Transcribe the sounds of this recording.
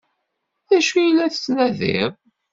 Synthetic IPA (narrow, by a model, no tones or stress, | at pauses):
ðæʃujəlːæθə̥t͡sːnæðɪ̰ɾ